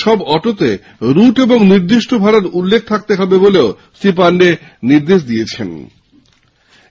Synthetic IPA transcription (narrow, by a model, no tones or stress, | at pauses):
ʃɔbɔʈot̪e | ɾuʈeboŋniɾd̪iʃʈʰobʱaɽaɾulːek̚ʰt̪ʰak̚t̪eɦɔbeboleo | sip̬aɳɖeniɾd̪eʃ̬d̪iet͡ɕʰḛn